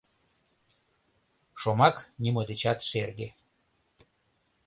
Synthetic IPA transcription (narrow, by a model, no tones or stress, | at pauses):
ʃomɑknimod̪et͡ɕɑt̪ʃerɣe